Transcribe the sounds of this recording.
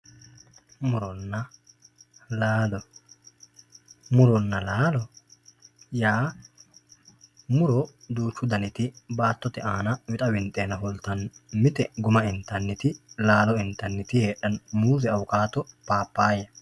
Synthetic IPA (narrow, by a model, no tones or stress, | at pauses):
mʊɾɔnːɐ | laːdɔ | mʊɾɔnːɐlaːlɔ | jaː | mʊɾɔd̪uːt͡ʃːʊd̪ɐnɪt̪ɪbaːt̪ːɔt̪ɛʔaːnɐwɪt̪ʼɐwɪnt̪ʼeːnɐɦɔlt̪ɐnmɪt̪ɛɡʊmɐɪnt̪ːɐnːɪt̪ɪlaːlɔɪnt̪ːɐnːɪt̪ɪheːɗɐnmuːzɛɐwʊkaːt̪ɔpaːpːaːjɐ